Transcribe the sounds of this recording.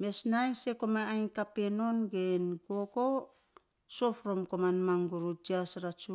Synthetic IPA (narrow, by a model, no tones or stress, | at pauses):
me̞snajse̞komaajnkapeno̞nɡenɡoɡo | sofɾo̞mkomanmaŋɡuɾud͡ʒiasɾat͡ʃu